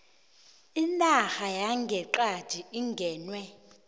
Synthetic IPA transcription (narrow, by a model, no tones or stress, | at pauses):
inʼaxajaŋɡʱɛǃḁd̥ʱiiŋɡʱɛːnwɛ